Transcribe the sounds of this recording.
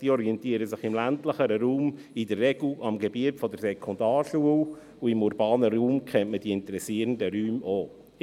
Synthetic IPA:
d̥iːɔɾiɛntiːəɾəsɪχɪmlæntləχəɾəɾuːm | idərːɛɡ̥luʔɑmɡebiətfɔdəɾsɛkʰɔndɑːrʃuəw | uɪmuɾbɑːnəɾuːmkʰɛntməd̥iːɪntəɾɛsiəɾəndəɾyːmoː

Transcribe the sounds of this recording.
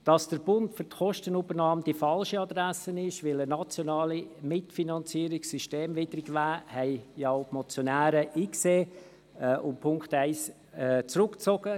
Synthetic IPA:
d̥ɑsd̥əɾb̥ʊntfʏɾtχɔʃtənubəɾnɑːmd̥ifɑlʃəɑd̪ɾæsənɪʃʋɪlənɑt͡sjonɑːlimɪtfinɑnt͡siːɾɪksyʃteːmvɪd̥ɾɡvæːhɛɪjɑʊpmɔt͡sjonæːɾəʔiːkseː | ʔʊmpʰʊŋktɛɪs | t͡sɾʊkt͡sɔɡ̥ə

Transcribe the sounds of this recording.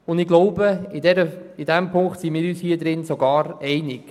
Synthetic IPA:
ʊndɪɡ̥loʊbəɪdɛɾəɪd̥ɛmpʰʊŋktsinmiːɾyːshiːəd̪ɾɪnsoɡɑːɾɛɪnɪk

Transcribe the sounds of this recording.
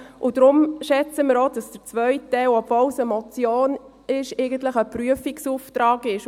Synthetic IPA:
ʔʊd̥ɾʊmʃɛt͡səmɪɾod̥ɑsd̥əɾt͡svœʏtːɛlɔbvɔlsəmɔt͡sjoːn | ɪʃɛɪɡənt̪ləχəpryəfiksuːftɾɑːɡɪʃ

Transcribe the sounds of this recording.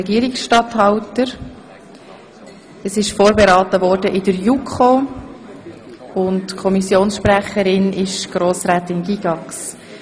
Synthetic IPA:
ɛɡiəɾiksʃtɑthɑwtəɾ | əsɪʃfoːɾbeɾɑːtəvɔːɾdəʔɪdəɾjukʰχo | ʊntkʰɔmisjoːnsʃpræχəɾɪnʔɪʃɡ̥ɾoːsɾaːtɪnɡiɡɑks

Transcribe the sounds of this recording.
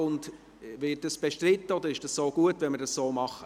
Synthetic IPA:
ʊnd | vɪt̚d̥ɑsb̥ɛʃtɾɪt̪ːəod̪əɾɪʃd̥ɑssoːɡ̥uətvɛnməɾdɑssoːmɑχə

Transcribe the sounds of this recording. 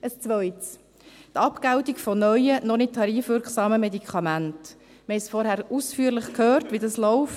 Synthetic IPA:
əst͡sʋœʏts | tɑpkaʊtikfɔnœʏənɔnɪt̚tʰɑɾiːfʋʏɾksɑːməmedikʰχɑmænt | məɛsfɔɾhæɾʔuːsfyːəɾləχkʰhøːɾtʋidɑslɔʊf

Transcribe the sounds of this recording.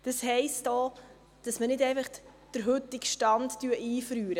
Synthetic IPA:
d̥əshɛɪstɔː | d̥ɑsmənɪdɛɪfɑχd̥əɾɦʏt̪ːɪkʃtɑndtyəʔiːfɾyːɾə

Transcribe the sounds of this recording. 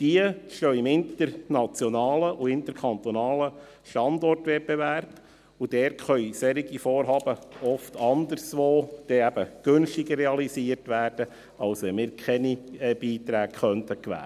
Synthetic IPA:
d̥iəʃtœʏɪmɪnt̪əɾnɑt͡sjɔnɑːləʔuɪnt̪əɾkʰχɑnt̪ɔnɑːlə | ʃtɑndɔrtʋɛt̚b̥eværb̥ | ud̥ɛːɾtχœʏsɛɾiɡifoːɾɦɑːb̥əɔftʰɑndərsʋoːd̥ɛæb̥əɡ̥ɵnʃtɪɡəːɛɑlisiərtʋæːrd̥ə | ɑlsʋɛmɪːɾkχɛniɛb̥iːt̪ɾæːkχœntʰəkʋæ̰ːə

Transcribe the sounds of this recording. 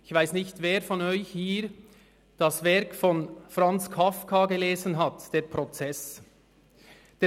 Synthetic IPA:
ɪçv̥aɪsnɪçtveːɾfɔnɔʏçhiːɾ | d̥ɑsvɛɾkfɔnfʁɑnt͡skʰafkʰaɡeleːzən̩ɦɑtd̥eːɾpʁɔt͡sɛs | d̥eː

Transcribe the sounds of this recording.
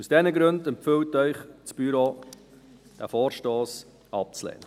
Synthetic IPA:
usd̥ɛnəɡɾɵndɛmpfʏwtœʏχt͡sb̥yɾo | d̥æfoːɾʃtoːs | ɑp̚t͡slɛ̰ːnə

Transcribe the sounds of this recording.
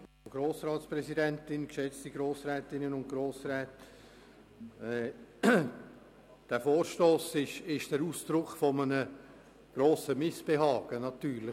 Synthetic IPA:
ɡ̥ɾoːsɾɑːtspɾɛsidɛntɪnkʃɛt͡stiɡɾoːsrɛːtɪnənʊnt̚ɡ̥ɾoːsɾɛːt | ɛ | d̥ɛfoːɾʃtoːsɪʃɪʃd̥ɛɾuːsd̥ɾʊkχfɔmənə | ɡ̥ɾoːsəmɪsb̥eɦɑːɡ̥ənɑtyːɾlɪ

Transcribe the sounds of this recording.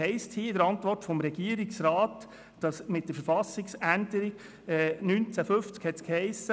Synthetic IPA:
ɛɪsthiːɪdəɾɑntvʋɔrtfɔmɾɛɡiːəɾiksɾaɑːt | d̥ɑsmɪt̚d̥əɾfəɾfɑsɪksændəɾi | ɛːnynt͡sæfʏft͡skhɛtskhɛɪsːə

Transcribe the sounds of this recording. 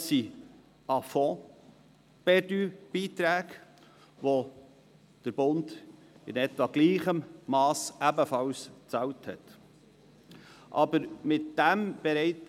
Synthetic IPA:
si | ɑfɔ̃ | b̥ɛdyb̥iːtɾæːk | ʋo | d̥əɾbʊnd | ɪnɛtvɑɡliːχəmːɑːsæbəfɑwst͡sɑwthɛ̰t | ʔɑ̰bəɾmɪt̚d̥æmb̥ɛɾɛɪt

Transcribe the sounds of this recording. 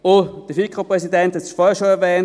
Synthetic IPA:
od̥əfikʁopʁɛsidɛnthɛsfɔːhɐʃoɛɐvɛːn

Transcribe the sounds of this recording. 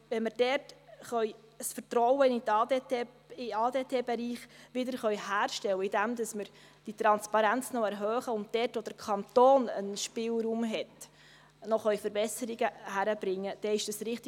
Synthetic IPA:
ʋɛnmɪɾd̥ɛrtχœʏ | sfətɾɔwənɪɑd | ɪɑːdeːtʰeːbɛɾiːχʋɪdəɾχœʏhæːɾʃtɛlwəɪdæmdɑsməɾ | d̥it̪ɾɑnspɑɾænt͡snɔɛɾɦœːχəʊnt̚dɛrtʋod̥əɾkʰɑnt̪oːnə̰nʃpɪːlɾuːmɦɛt | nɔχœjfəɾbɛsəɾɪɡəhæɾəb̥ɾɪŋːəd̥ɛɪʃd̥əsɾɪχt̪

